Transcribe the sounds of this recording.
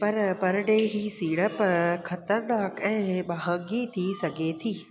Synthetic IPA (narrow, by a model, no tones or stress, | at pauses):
pɐɾpɐɾɖeɦiːsiːɽəpkʰɐt̪əɾnaːkɛ̃ːɓaɦəɡit̪ʰisɐɡʱet̪ʰiː